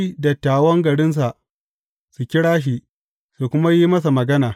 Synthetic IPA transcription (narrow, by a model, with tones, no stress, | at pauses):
i˦dɐ˨tːaː˨wɐ˦ŋɡɐ˨ɽɪ˦ns̬a˨ʔ | su˨kʲɪ˦ɽaː˦ʃ̬i˦ʔ | su˨kʷʊ˦ma˦ji˦mɐ˦s̬a˨mɐ˨ɡɐ˦naː˨